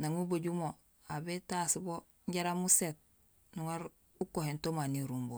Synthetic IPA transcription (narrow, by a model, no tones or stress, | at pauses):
naŋuboɟumo | abetasibo | ɲɟaɾamuset̚ | nuwaɾ | ukohentomaniɾumbo